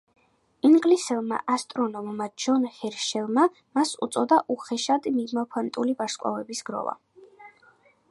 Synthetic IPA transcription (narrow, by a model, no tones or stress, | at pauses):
iŋɡlisɛlˠma̰ʔast̪ʼɾɔnɔmmad͡ʒɔnhɛɾʃɛlˠma | masṵt̪sʼɔd̪aʔuχɛʃad̪mimapʰant̪ʼulivaɾskʼwa̰vɛbisɡɾɔ̰va̰